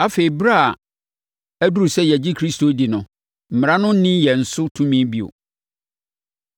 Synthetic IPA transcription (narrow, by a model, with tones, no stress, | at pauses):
a˦fe˨i˨bɾa˦˨a˨ | æ˦du˦ɾu˨sɛ˦jɛ˨d͡ʑi˦kʰɾi˦stʰo˨˦di˨nʊ̃˨ | m̩˨m˨ã˦nʊ̃˦nɪ̃˦jɛ˨n̩˨sʊ˦tʰũ˦mĩ˦bi˦o̰˨